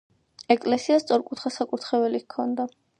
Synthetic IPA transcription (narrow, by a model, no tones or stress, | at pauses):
ɛkʼlɛsiast̪sʼɔɾkʼut̪ʰχasakʼuɾt̪ʰχɛvɛlikʰːɔnd̪a